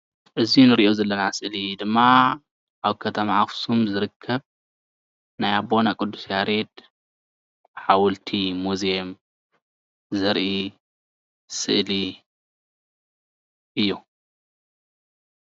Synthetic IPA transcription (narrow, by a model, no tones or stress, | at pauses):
ʔɨzinɨɾiʔo̞zɐlːɐnasɨʔlid̪ɨmːa | ʔaβkʰɐt̪ʰɐmaʕafsumzɨɾɨkʰːɐβ | najabo̞nakʼɨd̪ːusjaɾed̪ | ħawʊlt̪ʰimuzem | zɐɾʔi | sɨ̰ʔli | ʔɨjːu